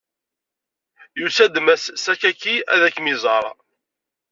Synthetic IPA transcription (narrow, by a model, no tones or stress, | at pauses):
jusæd̪mæssækːækːiæ̰ðækːmizˤɑɾˤɑ̰